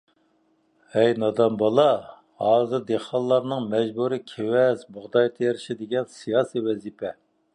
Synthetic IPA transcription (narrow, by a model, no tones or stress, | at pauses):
hɛjnɑd̪ɑmbɑlˠɑ | hɑːzɨɾd̪eχɑlˠːɑɾnɨŋmɛd͡ʒbuɾikʲʰewɛzbʊʁd̪ɑjt̪ʰejeɾɪʃid̪eɡʲɛnsijɑːsiwɛzipʰɛ